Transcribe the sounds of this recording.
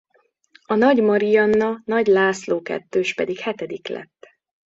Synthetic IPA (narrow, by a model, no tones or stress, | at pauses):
ɒnɒɟmɒɾijɒnːɒnɒɟlaːsloːkɛ̰t̪ːøːʃpɛd̪ikhɛt̪ɛd̪iklɛ̰t̪ː